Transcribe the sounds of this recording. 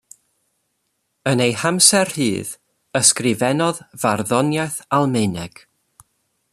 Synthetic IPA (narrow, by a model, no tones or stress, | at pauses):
ənejhamsɛrhɨːð | əskrɪvɛnɔðv̥arðɔnjajθalˠmejnɛɡ̥